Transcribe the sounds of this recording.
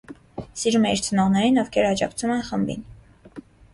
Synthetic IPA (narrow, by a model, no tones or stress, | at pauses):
siɾumɛiɾt͡sʰənɔʁnɛɾinɔvkʰɛɾɑd͡ʒɑkt͡sʰumɛnχəmbḭn